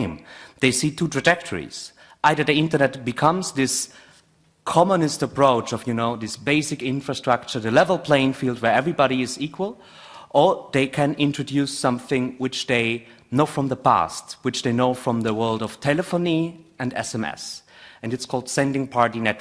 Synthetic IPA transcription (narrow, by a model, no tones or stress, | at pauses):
ɪ̃mðeɪsitʰutʰɹ̥ɨd͡ʒɛk̚tʰə˞ḭz̥ | ʔaɪðə˞ðiɪ̃ntə˞nɛt̚b̥ɨkʰʌ̃mzðɪs | kʰɑmənɨstəpʰɹ̥oʊt͡ʃʌvjɨnoʊðɪsb̥eɪsɨkɪ̃nfɹstɹ̥ʌk̚t͡ʃə˞ðɨlɛvl̩ˠpʰl̥ẽɪ̃ŋfilˠd̚wə˞ɛvɹibɑɾiɪzikʰwəlˠ | ʔə˞ðeɪkʰɨ̃nɪ̃ntɹ̥ɨdjʉsːʌ̃mθɪ̃ŋwɪt͡ʃðeɪ | noʊfɹʌ̃mðəpʰæ̰stwɨt͡ʃðeɪnoʊfɹʌ̃mðəwɜ˞lˠdʌv̥tʰɛlɨfoniɨ̃ndɛ̰sɛ̃mɛ̰sɨ̃nɨtskʰɔlˠd̥sɛ̃ndɪ̃ŋpʰɑɹɾinɛt